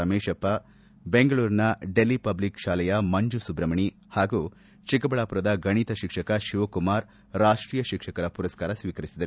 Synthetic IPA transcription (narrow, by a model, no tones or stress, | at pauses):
ɐmeːʃɐpːɐ | beŋɡɐɭuːɾnɐɖe̞lːipɐblikʃaːlɐjɐmɐɲd͡ʒusubɾɐmɐɳi | haːɡuː | t͡ʃikɐbɐɭaːpuɾɐd̪ɐɡɐɳ̃it̪ɐʃikʂɐkɐʃiʋɐkumaːɾ | ɾaːʂʈɾiːjɐʃikʂɐkɐɾɐpuɾɐskaːɾɐsʋiːkɐɾisid̪ɐɾu